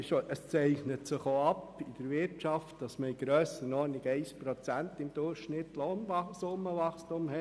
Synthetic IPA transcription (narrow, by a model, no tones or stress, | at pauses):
ʃoʔəst͡sɛɪχnətsɪχoɑpid̥əɾʋɪɾtt͡ʃɑftd̥ɑsməiɡ̥ɾœːsənɔːniɡɛɪspɾot͡sænt̪ɪmd̥̪ʊrχʃnɪtlonɑsʊmːəʋɑχstumhɛ